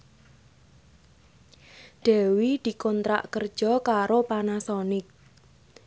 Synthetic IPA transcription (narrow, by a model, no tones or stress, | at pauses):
ɖ̪̥ɛ̤wid̪̥i̤kɔnt̪ɾa̰ʔkərd̥ʒ̥ɔ̤kaɾopanasɔnɪk̚